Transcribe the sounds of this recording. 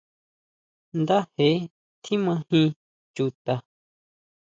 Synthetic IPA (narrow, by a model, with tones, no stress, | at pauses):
nd̪a˦he˨˦ | t̪ʰĩ˦mã˧hĩ˦ | t͡ʃu˧t̪a˧